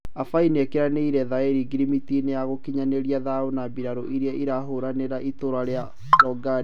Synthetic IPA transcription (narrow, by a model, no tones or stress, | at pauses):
afainekeɾaneiɾɛðaeɾiɡiɾimitinejaɣokiɲaneɾiaðaonabiɾaɾo̰ʔiɾeɛʔiɾaɦoɾaneɾaʔitoɾaɾea | ɾɔɡa